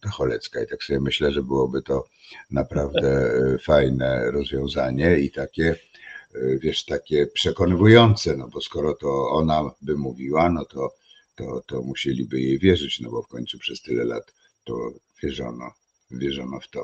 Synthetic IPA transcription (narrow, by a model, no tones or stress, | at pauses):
d̪̥ɔxɔlɛt̪skait̪aksɔbʲɛmɘɕlɛʐɛbɘwɔbɘt̪ɔ | napɾavd̪ɛfajnɛɾɔzvʲjɔ̃w̃zaɲɛit̪akʲɛ | vʲjɛʂt̪akʲɛpʂɛkɔnɘvujɔnt̪sɛnɔbɔskɔɾɔt̪ɔɔnabɘmuvʲiwanɔt̪ɔ | t̪ɔt̪ɔmuɕelʲibɘjejvʲjɛʐɘt͡ɕnɔbɔfkɔɲʲt̪supʂɛst̪ɘlɛla̰t̪ː | ɔ̰vʲjɛʐɔ̰nɔ̰ | vʲjɛʐɔnɔft̪ɔ